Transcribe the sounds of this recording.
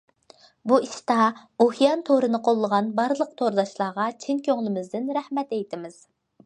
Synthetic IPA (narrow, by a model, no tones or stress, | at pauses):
buiʃt̪ɑohjɑnt̪ʰoɾɨnɨqʰolˠːəʁɑnbɑɾlˠəq̚t̪ʰoɾd̪ɑʃlˠɑːʁɑt͡ʃʰinkʲʰøŋlˠɪmɪzd̪ɪnɾæhmɛt̪ejt̪ʰɪmɪz̥